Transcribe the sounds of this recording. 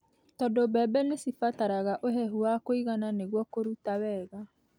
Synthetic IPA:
tɔdobɛːbɛnesifataɾaɣaʔoɦɛɦuakoiɣananeɣwɔkoɾutawɛːɣa

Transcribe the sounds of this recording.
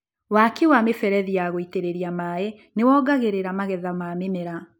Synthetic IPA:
wakewamefɛɾɛðijaɣoiteɾeɾiamae | newɔɡaɣeɾeɾamaɣɛðamamemeɾa

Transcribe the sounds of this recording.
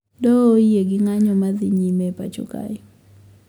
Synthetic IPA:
dɔojeɡɪŋaɲɔmazɪɲimɛpa̰t͡ʃṵka̰jɔ

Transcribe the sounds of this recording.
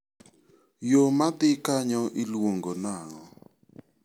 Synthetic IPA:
jomad̪ɪkaɲɔʔilwoŋɡonaŋɔ

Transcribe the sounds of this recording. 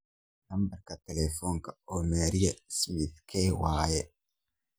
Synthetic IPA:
nɐmbɐɾkɐt̪ɛlɛfɔŋkɐɔmɛɾijɛsmiθkʰɛːwaːjɛ

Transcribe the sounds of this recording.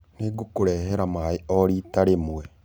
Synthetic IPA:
neɡokoɾɛːɦɛɾamaeɔɾiːtaɾemwɛ

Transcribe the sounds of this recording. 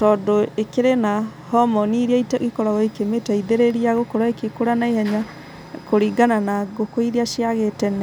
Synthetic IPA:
tɔːdɔekeɾenahɔmɔniɾiaitɣikɔɾaɣaikemetaiðeɾeɾiaɣokɔɾwaekekoɾanaiɦɛɲa | koɾiɡananaɣokoiɾiaʃiaɣetɛnɛ

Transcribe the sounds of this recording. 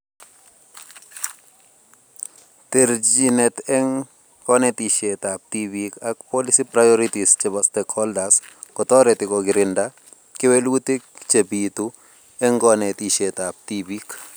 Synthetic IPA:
t̪eɾd͡ʒinɛt̪ɛŋ | kɔnɛt̪iʃet̪ap̚tibikakpɔlisipɾajɔɾitist͡ʃebɔstekʰhɔldas | kɔt̪ɔɾet̪ɪkɔɡɪɾɪnda | kɪwelwut̪it͡ʃebit̪u | ɛŋɡɔnet̪iʃet̪ap̚tibik

